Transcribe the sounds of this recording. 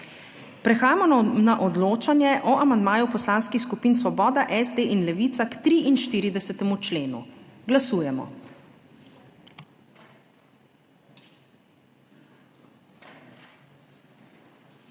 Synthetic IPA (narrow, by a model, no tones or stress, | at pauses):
pɾɛxaːjamɔnaʔɔd̪loːt͡ʃanjɛʔɔʔamand̪maːjupɔslaːnskixskupiːnsʋɔbɔːd̪aʔɛzd̪eːʔinlɛʋit̪sakt̪ɾiʔinʃt̪iːɾid̪ɛsɛt̪ɛmut͡ʃleːnṵɡlasuːjɛmɔ̰